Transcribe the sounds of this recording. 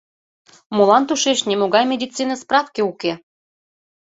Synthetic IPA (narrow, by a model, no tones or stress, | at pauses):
molɑnt̪uʃeʃnʲemoɣɑjmʲed̪ʲit͡sːinəsprɑfkeuke